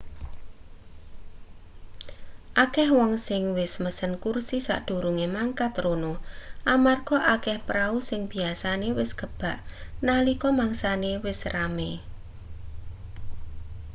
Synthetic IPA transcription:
ʔakɛhwɔŋsɪŋwɪsməsənkursisa̰ʔd̪̥o̤ɾuŋemaŋkat̪ronoʔamarɡ̥ɔʔakɛhpɾausɪŋb̥iasanewɪsɡ̥əb̥a̤ʔnalikɔmaŋsanewɪsrame

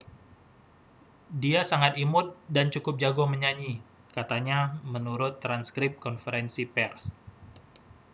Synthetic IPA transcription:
diasaŋat̪imʊt̪̚dant͡ʃukʊp̚d͡ʒaɡɔməɲaɲi | kat̪aɲamənuɾʊt̪ːɾanskɾɪp̚kɔnfəɾɛnsipɛrs

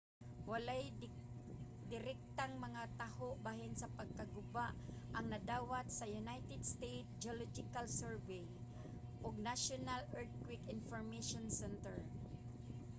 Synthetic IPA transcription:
walaj | d̪ɪɾɪk̚t̪aŋmɐŋat̪ahoʔbaːɦɪnsɐpɐɡ̚kaɡʊbaʔʔɐŋnɐd̪aːwat̪sɐjʊnajt̪ɛd̪st̪ejt̪̚d͡ʒolɔd͡ʒɪkalsɛɹvej | ʔoɡ̚naʃonalɛɹt̪̚kwɪkɪnfoɹmeʃonsɛnt̪ɛɹ

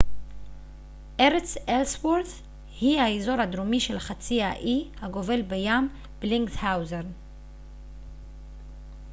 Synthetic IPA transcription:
ʔeʁet͡selswoɾθ | hihaezo̞ɾhad̪ɾomiʃelχat͡siaʔihaɡo̞ve̞lbejam | b̥liŋɡthawzeʁn

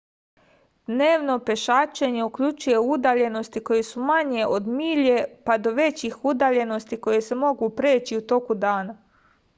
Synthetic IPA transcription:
d̪̥ne̞ːʋno̞peʃat͡ʃeɲe̞ukʎut͡ʃuje̞ud̪aʎe̞no̞st̪iko̞jesumaɲe̞ʔo̞d̪miːʎe̞pad̪o̞ʋe̞t͡ɕixud̪aʎe̞no̞st̪iko̞je̞se̞mo̞ɡupɾeːt͡ɕiut̪o̞kud̪aːna

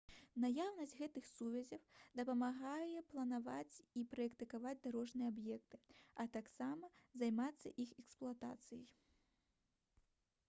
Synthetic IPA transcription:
najawnɐsʲd͡zʲɣɛt̪ɨxsuvʲɐzʲɐwd̪ɐpɐmaɣajɛplˠɐnavat͡sʲipɾɐɛkt̪ɨkavad͡zʲd̪aɾɔʐnɨjɛabjɛk̚t̪ɨɐt̪aksamɐzajmat̪sːɐʔixɛksplˠuat̪a̰t̪sɨjɐj

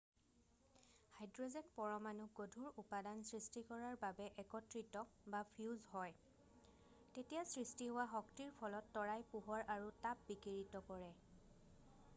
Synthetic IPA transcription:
hajdɹɔzɛkpɔɹɔmanuɡodʱuɹupadansɹistikɔɹaɹbabɛʔɛkɔtɹitɔbapʰiuzɦɔj | tetijasɹistiɦowaɦɔktiɹpʰɔlɔtːɔɹajpuɦɔɹaɹutap̚bikiɹitɔkɔɹɛ

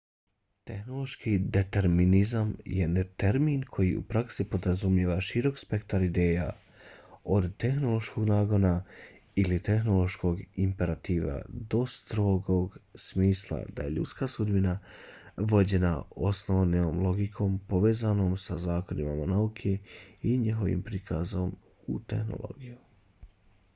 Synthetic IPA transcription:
t̪e̞xno̞lˠo̞ʃkid̪e̞t̪e̞ɾminizamjenet̪eɾmiːnkʰo̞jiṵpɾaksipo̞d̪ɾazumjeːʋaʃiɾo̞kspe̞kt̪aɾid̪e̞ːja | o̞d̪t̪e̞xno̞lo̞ʃko̞ɡnaːɡo̞na | ilit̪e̞xno̞lo̞ʃko̞ːɡimpe̞ɾat̪iːʋa̰d̪o̞st̪ɾo̞ːɡo̞ɡsmiːslˠa̰d̪a̰je̞ʎṵt̪skasud̪bina | ʋo̞d͡ʑe̞nao̞snoʋnomlˠo̞ɡikʰo̞ːmpo̞ʋe̞ːzano̞ːmsazaːko̞nimamanaukʰe̞iɲeɦo̞ʋḭmpɾikʰazo̞m | ut̪e̞xno̰lo̞̰ɡiju

